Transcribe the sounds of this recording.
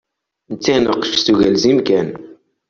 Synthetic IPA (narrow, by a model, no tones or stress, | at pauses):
nt͡sːænəqːʃstuʝælzimkæn